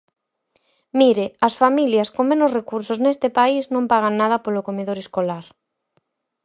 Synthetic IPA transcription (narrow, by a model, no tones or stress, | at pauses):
miɾeɐsfamiljɐskõŋmẽnʊsrekuɾsoznest̪ɪpaiznõmpaɣ̞aŋnað̞ɐpolokomeðoɾeskolaɾ